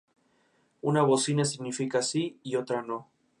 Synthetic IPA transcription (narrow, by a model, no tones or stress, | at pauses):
unaβosinas̬iɣnifikasiːot̪ɾano̞